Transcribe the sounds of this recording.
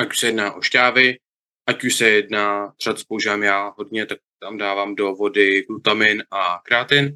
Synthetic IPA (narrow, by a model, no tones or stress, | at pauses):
ʔacu̥ʃsɛjɛdnaːʔo̞ʃcaːvɪ | ʔacuʃsɛjɛdnaːr̥at̪spouʒivamjaːɦo̞dɲɛt̪ak̚t̪amdaːvaːmdo̞vo̞dɪɡlut̪amɪnʔakɾaːt̪ɪn